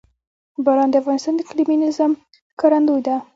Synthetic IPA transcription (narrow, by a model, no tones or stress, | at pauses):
baɾɑnd̪əafɣɑnɪst̪ɑnd̪əkliminɪzəm | kaɾand̪ujd̪a